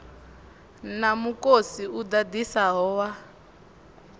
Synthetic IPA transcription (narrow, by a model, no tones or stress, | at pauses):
namukosiud̪ad̪isaɦɔːwa